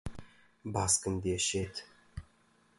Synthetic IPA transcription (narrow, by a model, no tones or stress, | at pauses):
bɑskʲɪ̆md̪eʃet̪